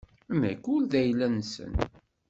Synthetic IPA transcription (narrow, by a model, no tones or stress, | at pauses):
mæ̰kʊlðæjlænsə̰n